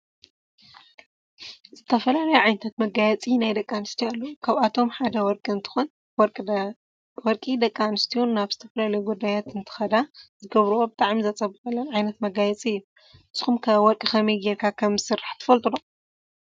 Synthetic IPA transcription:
z̥ɨt̪ʰɐfɐlalɐjuʕajnɐt̪ʰat̪mɐɡajɛt͡sʼinajd̪ɐkʼːanɨst̪ʰialːɐwukʰaβat̪ʰo̞mħad̪ɐwɔɾkʼiɨnt̪ʰɨ̥xon | wɾʼ | wɔɾkʼid̪ɐkʼːanɨst̪ʰiunːaβzɨt̪ʰɐfɐlalɐjuɡud̪ːajat̪ɨnt̪ʰɨ̥xɐd̪azɨɡɐβɾuwobɨt̪ʼaʕmizɐt͡sʼɐβɨkɐlːɐnʕajnɐt̪mɐɡajɛt͡sʼiɨjːu | ɨsɨxumkʰɐwɔɾkʼixɐmɐjɡeɾkʰakʰɐmɨsɨrːaħt̪ʰɨ̥fɐlt̪ʼulo

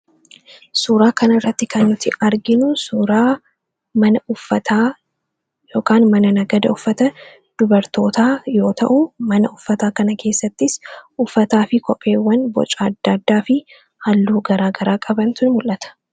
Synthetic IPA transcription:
suːɾaːkɐnɐɪrːɐt̪ːɪkʰɐnːʊt̪ɪʔɐɾɡɪnʊsuɾaː | mɐnɐʊfːɐt̪aː | jo̞ːkaːnmɐnɐnɐɡɐd̪ɐʊfːɐt̪ɐ | d̪̥ʊbɐɾt̪o̞ːt̪aːjo̞ːt̪ɐ̰ʔʊmɐnɐʊfːɐt̪aːkɐnɐkʰe̞ːsːɐt̪ːɪsʔʊfːɐt̪aːfɪkɔpʼːe̞ːwːɐnbɔ̰t͡ʃʼaːɐd̪ːɐːd̪ːaːfɪ | hɐlːuːɡɐɾaːɡɐɾaːkʼɐbɐnt̪ʊnmʊlʔɐt̪ɐ̥

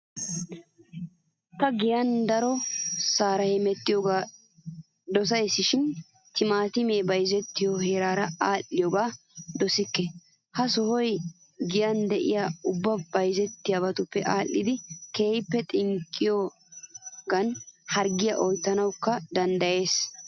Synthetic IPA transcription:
t̪ɐɡɪjɐnd̪ɐɾɔsaːɾɐhɛmɛt̪ːɪjɔɡaː | d̪ɔs̬ɐjsːɪʃɪn | t̪ɪmaːt̪ɪmeːbɐjzɛt̪ːɪjɔheːɾaːɾɐaːlːɪjɔɡaː | d̪ɔsɪkːɛ | hɐsɔhɔj | ɡɪjɐnd̪ɛʔɪjaːʊbːɐbɐjzɛt̪ːɪjabɐt̪ʊpːɛʔaːlːɪd̪ɪkeːjpːɛt̪ʼɪŋkʼːɪjɔ | ɡɐnhɐɾɡɪjɐʔɔjt̪ːɐnɐwkːɐd̪ɐnd̪ɐje̞ːs

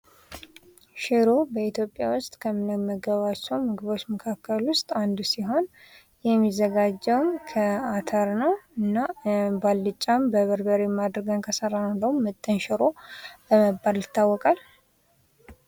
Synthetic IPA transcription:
ʃɪɾobəit̪jo̞pʼːjawʊst̪ʼkʰəmɨnəməɡəβat͡ʃːɛwmɨɡɨβo̞t͡ʃːməkʰakʰːəlwʊst̪ʼand̪siɦo̞n | jɛmːizːəɡad͡ʒːɛwmkʰəat̪ʰəɾnəwɨnːabalːɨt͡ʃʼːambəβəɾbəɾemad̪ɾəɡənkʰəsəɾannd̪əwumːɨt̪ʼːənʃɪɾo̞bəməbːaljɪt̪ːawːɔkʼal

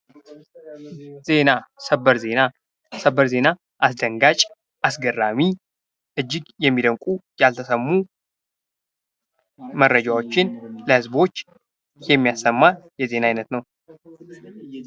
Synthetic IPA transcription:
z̥e̞nasəbəɾzena | səbəɾze̞na | ʔasd̪əŋɡat͡ʃʼ | ʔasɡərːami | ʔɨd͡ʒːɪɡjɛmːid̪əŋkʷʼujalt̪ʰəsəmːu | mərːəd͡ʒawo̞t͡ʃːɪnləhɨzbo̞t͡ʃː | jɛmːijasːəmːajɛze̞naajnət̪nəw

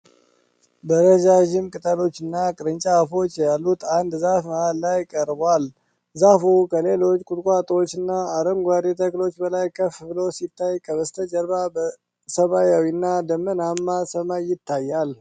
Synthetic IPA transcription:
bəɾəd͡ʒaʒɪmkʼɨt̪ʼəlo̞t͡ʃːɨnːakʼɨɾɨɲt͡ʃʼafo̞t͡ʃːjalːut̪and̪zafməallajkʼəɾbal | zafukʰəle̞lo̞t͡ʃːkʼut̪kʷʼwat̪ʼot͡ʃːɨnːaːɾəmɡʷwaɾit̪ʰəklo̞t͡ʃːbəlajkʰəflosit̪ʰːajkʰəβəst̪ʰəd͡ʒəɾbabə | səmajawinːad̪əmːənamːasəmajɪt̪ːajːal

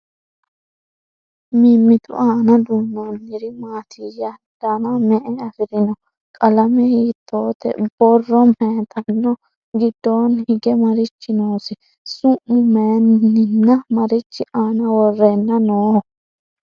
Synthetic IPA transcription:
miːmːɪt̪ʊ̰ʔaːnɐd̪uːnːonːɪɾɪmaːt̪ʰɪjɐ | d̪̥ɐnɐmɛʔɛɐfɪɾɪnɔ | kʼɐlɐmɛhiːt̪ʰːoːt̪ɛ̰b̥ɔrːɔmeːt̪ɐnːɔ | ɡɪd̪ːoːnhɪɡɛmɐɾɪt͡ʃːɪnoːsɪ | sʊʔːʊmeːnːɪnːɐmɐɾɪt͡ʃːɪʔaːnɐwɔrːenːɐnoːh

